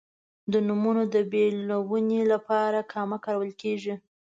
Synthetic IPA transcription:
d̪ənumunod̪əbelawunelapɑɾakʰɑmakɑɾawəlkeʐi

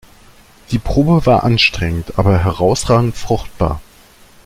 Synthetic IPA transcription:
d̥iːpʁ̥oːbəvaːɐʔanʃtʁ̥ɛŋən̩tʔa̰ːbɐɦɛʁaʊsʁaːɡŋ̩tfʁ̥ʊχt̚b̥a̰ːɐ

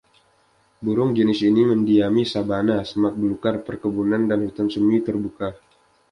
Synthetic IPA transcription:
buɾʊŋd͡ʒənɪsiniməndiamisabanasəmak̪̚bənukarpərkəbunandanhut̪ansəmit̪ərbuka

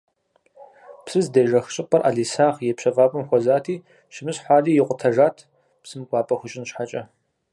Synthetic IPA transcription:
psɨzdeːʒɐxɕʼɪpʰʼɐrʔa̰ːɮiːsaːʁjɛpɕɐfʼaːpʼɨmxʷɔzaːtʰiː | ʃɪmɨɕħʷaːɮiːjɪqʷʊtʰɐʒaːtʰ | psɨmɡʷɑːpʼɐxʷʊt͡ʃʼɪnɕħat͡ʃʼɐ

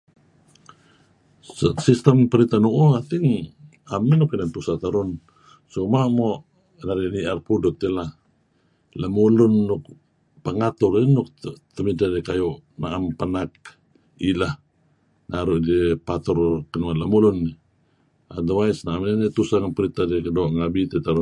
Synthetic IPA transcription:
ssist̪ampəɾit̪anuʔuat̪iŋ | aminukinant̪usat̪aɾun | sumamoʔ | naɾiniarpudɔt̪ːilah | lamulunːuk | paŋat̪urinukt̪əmidadekajɔʔnaʔampanak̚ | ilah | naɾuʔdepat̪ɔrkənuanlamulunːi | a̰d̪awaisnaaminɛnit̪usaŋpəɾit̪adekədoʔŋabit̪et̪aɾu

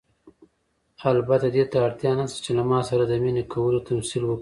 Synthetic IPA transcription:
albat̪ad̪et̪aːɽt̪jɑnast̪ḁt͡ʃelamɑsaɾad̪əminekʰawəlot̪amsilwəki

